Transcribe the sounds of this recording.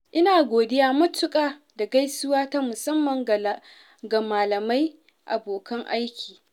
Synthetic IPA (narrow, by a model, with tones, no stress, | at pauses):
ʔɪ˦naː˨ɡʷoː˨dɪ˦jaː˦mɐ˦tʊ˦kʼaː˦ | da˨ɡa˦jsʊ˦waː˦ta˦mʊ˨sɐ˦mːɐ˨ŋ˨ | ɡa˨maː˨lɐ˨ma˦j | ʔa˨boː˨kɐ˦ŋʔa˦jkʲiː˨